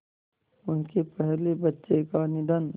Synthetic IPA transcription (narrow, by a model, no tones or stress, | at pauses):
ʊnkepɛɦlebɐtːʃekanɪd̪ən